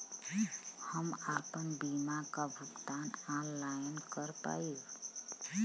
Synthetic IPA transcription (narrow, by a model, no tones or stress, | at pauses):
həmaːpənbimakabʱʊkt̪aːnaːnlajnkəɾpa̰i